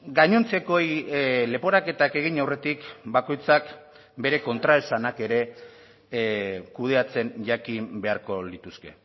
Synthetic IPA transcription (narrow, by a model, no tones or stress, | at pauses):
ɡaɲont͡se̞ko̞jle̞po̞ɾake̞t̪ake̞ɣ̞iɲawre̞t̪ikbako̞jt͡sak | be̞ɾe̞ko̞nt̪ɾaelsanake̞ɾe̞ | kuð̞e̞at͡se̞nʝakimbe̞aɾko̞lit̪uske̞